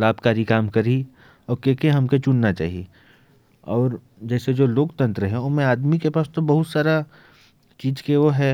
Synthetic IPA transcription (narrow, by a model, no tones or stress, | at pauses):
laːbkaːɾikaːmkɐɾi | ɔːɾkekeɦɐmket͡ʃʊnnat͡ʃa̰ːɦi | ɔːɾ | d͡ʒɛːsed͡ʒoːloːkt̪ə̃nt̪ɾəɦɛʊnmẽaːd̪mikepaːst̪obɐɦʊt̪saːɾa | t͡ʃiːd͡ʒkeʋoɦɛ